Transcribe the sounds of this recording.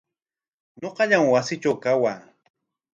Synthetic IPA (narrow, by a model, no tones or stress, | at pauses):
ɲoqɑʎaŋwasɪt͡ʃawkawaː